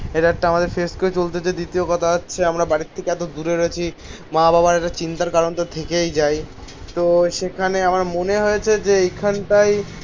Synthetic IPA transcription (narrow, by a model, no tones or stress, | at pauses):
eʈaek̚ʈaamad̪eɾfeskoet͡ɕolt̪et͡ɕajd̪it̪iokɔt̪ʰaatːɕʰeamɾabaɾit̪ʰːekeɛt̪od̪uɾeɾoet͡ɕʰi | mababaɾeʈat͡ɕint̪aɾkaɾont̪ot̪ʰekejd͡ʑaj | t̪oʃekʰaneamaɾmoneɦojet͡ɕʰed͡ʑeejkʰanʈaj